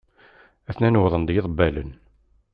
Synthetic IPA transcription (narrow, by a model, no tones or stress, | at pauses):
æθnænwðˤənd̪jɪðˤbːælən